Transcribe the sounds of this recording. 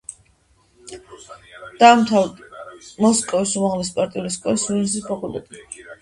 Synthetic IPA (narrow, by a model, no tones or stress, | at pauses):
d̪̥amt̪ʰal | mɔskʼɔvisumaʁlispʼaɾt̪ʼiuliskʼɔisuisispʰakʼult̪ʼɛt̪ʼi